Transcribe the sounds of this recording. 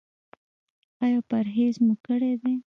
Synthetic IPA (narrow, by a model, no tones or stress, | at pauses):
ɑjɑpaɾɦezmukəɽed̪e